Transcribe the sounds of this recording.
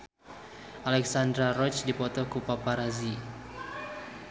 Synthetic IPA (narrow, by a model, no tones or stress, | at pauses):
ʔalɛksand̪ɾaɾɔt͡ʃdipɔt̪ɔkupapaɾazi